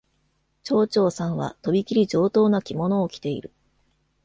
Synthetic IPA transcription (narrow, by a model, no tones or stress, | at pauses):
t͡ɕo̞ːt͡ɕo̞ːsãɰ̃βa̰t̪o̞bʲikʲiɾʲid͡ʑo̞ːt̪o̞ːnakʲimo̞no̞ːkʲi̥t̪e̞ḭɾɯ̟